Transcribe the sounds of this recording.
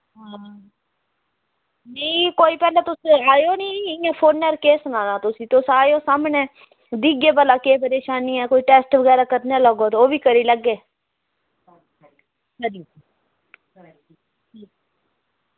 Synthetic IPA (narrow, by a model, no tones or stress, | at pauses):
ɦaː | nəĩːkoːiːpɛːleːt̪ʊseaːjoːniːãːpʰoːnːəɾkeːsənãːnãːt̪ʊsĩːt̪osaːjoːsaːmnẽː | d̪iːɡeːbəlaːkeːpəɾeːʃaːniːɛːkoːiːʈɛːsʈʋəɡɛːɾaːkəɾnaːləɡoːt̪ːoːʋiːkəɾiːləɡːeː | səɾi | iː